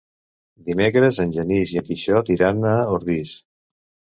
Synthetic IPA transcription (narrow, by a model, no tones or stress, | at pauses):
d̪imekɾəzənʲʒənizjəpiʃɔt̪iɾanəoɾðis